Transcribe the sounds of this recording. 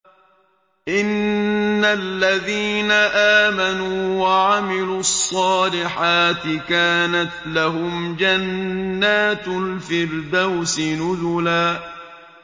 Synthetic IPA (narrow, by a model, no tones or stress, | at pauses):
ʔɪnː | alːaðiːnaʔaːmanuːwaʕamɪluːɑsˤːɑːlɪħaːt̪ɪkaːnat̪laɦʊmd͡ʒanːaːt̪lfɪɾd̪awsɪnʊzʊlaː